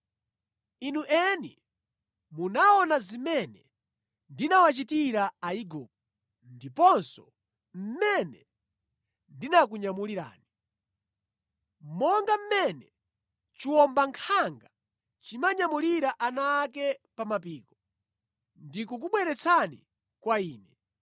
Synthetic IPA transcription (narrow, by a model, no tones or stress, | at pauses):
inuʔɛnḭ | munaɔnazimɛnɛ | ndinawat͡ʃitiɾaaiɡɔ̰ːp̚ɔ | ndipɔnsɔ | m̩mɛnɛ | ndinak̬uɲamuliɾa̰ːni | m̩mɔŋɡam̩mɛnɛ | t͡ʃiwɔmbaŋkʰaŋɡa | t͡ʃimaɲamuliɾaʔanaːkɛpamapiːkɔ | ndikuk̬uɓwɛɾɛt͡sʰanḭ | kwaiːnɛ